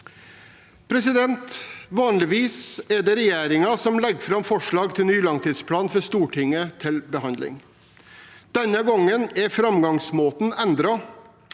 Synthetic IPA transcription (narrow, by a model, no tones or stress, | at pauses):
pʰɾɛsɪd̪ɛnt̪ʋɑːnlɪʋiːsɛɖ̪ɛɾɛjeːɾɪŋɑsɔmlɛɡfɾɑmfɔʂɭɑːɡt̪ʰɪlnyːlɑŋt̪ʰiːd̪spʰlɑːnfɔɾst̪uːʈʰɪŋːət̪ʰɪlbəɦɑnd̪lɪ̰ŋ | d̪̥ɛnːəɡɔŋːənæɾfɾɑmɡɑŋsmoːt̪nɛnd̪ɾɑ